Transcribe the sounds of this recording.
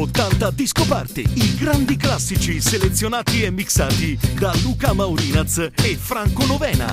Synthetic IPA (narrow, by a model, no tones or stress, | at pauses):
ot̪ːant̪ad̪iskopart̪ḭiɡɾand̪iklasːit͡ʃiselet̪sːjonaːt̪iemːiksaːt̪id̪aluːkamawɾiːnat̪sefɾaŋkonovɛːna̰